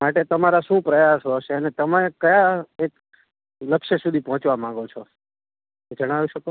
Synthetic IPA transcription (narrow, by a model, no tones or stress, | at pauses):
maʈet̪əmaɾaʃũpɾəjasɦɔʃeənet̪əmaekəjaek | ləkʃəsud̪ʱipɔɦɔ̃t͡ʃʋamãŋɡot͡ʃʰo | d͡ʒəɽ̃aʋiʃəko